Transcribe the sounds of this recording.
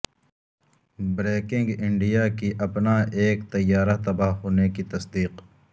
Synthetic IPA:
bɾeːkɪ̃ŋɡɪɳɖijakiʔɐpnaʔeːkt̪ɐjːaːɾat̪ɐbaɦɦoːnekit̪ɐsd̪iːq

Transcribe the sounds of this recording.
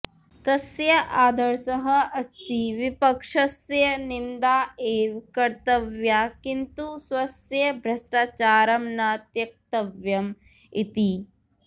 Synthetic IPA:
t̪ɐsjɐʔaːd̪ʱɐɾsɐɦɐɐst̪iʋipɐkʂɐsjɐnind̪aːeːʋkɐɾt̪ɐʋjaːkint̪usʋɐsjɐbʱɾɐsʈaːt͡ʃaːɾɐmnaːt̪jɐk̚t̪ɐʋjɐm | it̪i

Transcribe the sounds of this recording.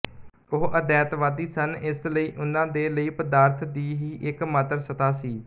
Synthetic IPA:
oɦʔəd̪ɛːt̪ʋaːd̪iːsənɪsləiːʔʊnãːd̪eːləiːpəd̪aːɾt̪ʰd̪iːɦiːʔɪkmət̪əɾsət̪aːsiː

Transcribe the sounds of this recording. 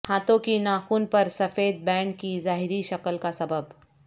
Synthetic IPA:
haːt̪õkinaːxuːnpɐɾsɐfeːd̪̚bɛ̃ːɳʈkizaːɦɪɾiʃɐkəlkasɐbəb

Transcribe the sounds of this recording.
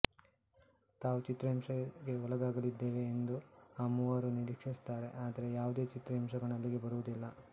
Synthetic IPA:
t̪aːʋut͡ʃit̪ɾɐɦimʂɐɡe̞ulɐɡaːɡɐlid̪ːe̞ːʋe̞ːnd̪uɐmuʋaːɾuniɾikʂist̪aːɾe̞̰ʔaːd̪ɐɾe̞jaːʋud̪e̞ːt͡ʃit̪ɾɐɦimʂɐɡɐɳɐlːiɡe̞bɐɾuʋud̪ilːɐ

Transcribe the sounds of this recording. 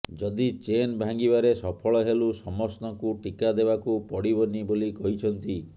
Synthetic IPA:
d͡ʒɔd̪it͡ʃenbʱaŋɡibaɾesɔpʰɔɭɔɦelusɔmɔst̪ɔkuʈikad̪ebakupɔɽibɔnibolikɔɦit͡ʃʰɔnt̪i

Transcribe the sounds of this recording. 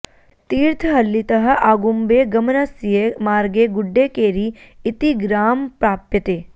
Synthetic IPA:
t̪iːɾt̪ʰəɦɐlːit̪ɐɦɐ̆ʔaːɡumbeːɡɐmnɐsijemaːɾɡeɡʊɖːeːkeːɾiɪt̪iɡɾaːmpɾaːpjət̪eː

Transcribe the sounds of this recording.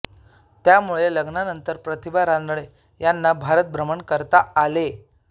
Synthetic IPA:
t̪jamuɭeləɡnanənt̪əɾpɾət̪ibaɾand̪ɭ̃e | janːabʱaɾət̪̚bɾəməɳkəɾt̪aːle

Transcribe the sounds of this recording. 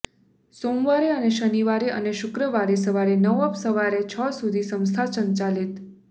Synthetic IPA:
somʋaɾeəneʃəniʋaɾeʔə̰neʃʊkɾəʋaɾesəʋaɾenəʋəpsəʋaɾet͡ʃʰəsud̪ʱisə̃w̃st̪ʰat͡ʃənt͡ʃalit̪

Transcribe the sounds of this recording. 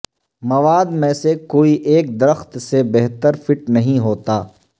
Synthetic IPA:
mɐʋaːd̪mẽːsekoːiʔeːk̚d̪ɐɾəxt̪sebɛɦt̪əɾfɪʈnɐɦĩɦoːt̪aː

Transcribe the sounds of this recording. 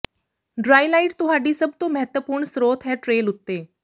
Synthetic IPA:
ɖɾaːilaːiʈ̚t̪ʊɦaɖiːsəb̚t̪oməɦət̪ʋəpuːɾɳsɾoːt̪ʰɦɛʈɾeːlʊt̪ːeː

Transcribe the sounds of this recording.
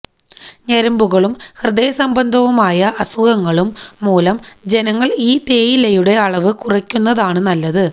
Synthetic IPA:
ɲeɾɐmbuɣɐɭumhrɨd̪ejɐsɐmbɐnd̪ʱɐʋumaːjɐʔɐsuɣɐŋːɐɭumːuːlɐmd͡ʑe̞nɐŋːɐɭiːt̪e̞ːjilejuɽe̞ɐɭɐʋɨkurɐkʲːunːɐðaːɳɨnɐlːɐðɨ

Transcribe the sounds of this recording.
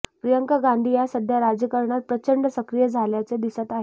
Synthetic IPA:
pɾijəŋkaɡãnd̪ʱiːjasəd̪ʱjaɾad͡zjəkəɾɳat̪̚pɾət͡ɕəɳɖsəkɾijəd͡zʱaljat͡sed̪isat̪aɦe

